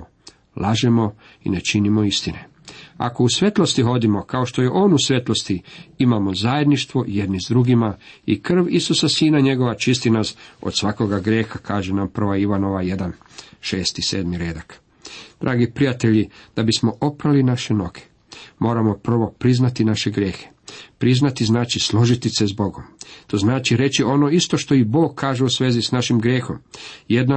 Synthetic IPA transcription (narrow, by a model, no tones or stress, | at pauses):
lʔaʒemo̞ | ḭne̞t͡ʃinimo̞ist̪ine | a̰kousʋe̞t̪lˠo̞st̪iɦo̞d̪imokao̞ʃt̪o̞jeʔo̞ːnusʋe̞t̪lo̞st̪iimamo̞zaje̞d̪niʃt̪ʋo̞je̞d̪nizd̪ɾuɡimaikr̩ʋisusasiːnaɲe̞ɡo̞ʋat͡ʃist̪inasod̪sʋako̞ɡaɡɾjeːxakʰaːʒenampr̩ʋaiʋano̞ʋajed̪an | ʃe̞ːst̪ise̞̰ːd̪miɾeːd̪ak | d̪̥ɾʔaːɡipɾijat̪e̞ʎid̪̥abismo̞ʔo̞pɾalinaʃeno̞ɡe̥ | mo̞ːɾamo̞pr̩ʋo̞pɾiznat̪inaʃeɡɾjeːxe̥pɾiznat̪iznaːt͡ʃislˠo̞ʒit̪isezbo̞ɡo̞mt̪o̞znaːt͡ʃiɾe̞t͡ɕio̞no̞ist̪o̞ʃt̪o̞ibo̞ːɡ̚kʰːaːʒe̞usʋeːzisnaʃimɡɾje̞ːxo̞̰mjed̪na